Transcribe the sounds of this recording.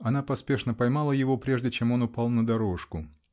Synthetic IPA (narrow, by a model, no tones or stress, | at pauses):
ɐn̪apɐspʲe̞ʂnəpɐjmalˠəjɪvo̞pɾʲe̞ʐdʲɪt͡ɕe̞mo̞nʊpalˠnəd̪ɐɾo̞ʂkʊ